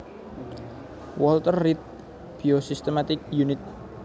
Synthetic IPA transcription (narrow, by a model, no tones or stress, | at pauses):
wɔlt̪ərːit̪̚ | b̥iosist̪emat̪ɪk̚junɪt̪̚